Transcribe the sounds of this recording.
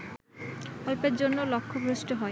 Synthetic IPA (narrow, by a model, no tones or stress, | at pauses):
ɔlpeɾd͡ʑonːolɔkʰːobʱɾusʈoɦɔe